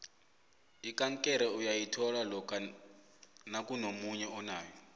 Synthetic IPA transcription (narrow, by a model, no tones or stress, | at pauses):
ikʼaŋkʼɛɾɛujajitʰɔlalɔkʰʼa | nakʼunomuɲɛɔnaːjɔ